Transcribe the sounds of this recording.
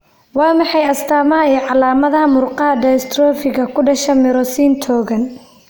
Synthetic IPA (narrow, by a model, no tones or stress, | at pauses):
wɑːmɑħɑjɐst̪ʰaːmɐɦɐɛːʕɑlaːmɐðɐɦɐmʊrqɑɦɐdɐjst̪ʰrɔːfɪɣɐkʰʊɖɐʃɛmɪɾɔsiːnt̪ʰɔːɣɐn